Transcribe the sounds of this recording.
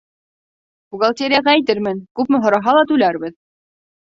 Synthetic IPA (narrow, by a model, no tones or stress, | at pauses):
buɡalˠt̪ʲeɾʲɪjaʁææjt̪ɘɾmɘnkʉpmɘ̆ɦŏɾɑɦɑlˠɑt̪ʉlæɾbɘð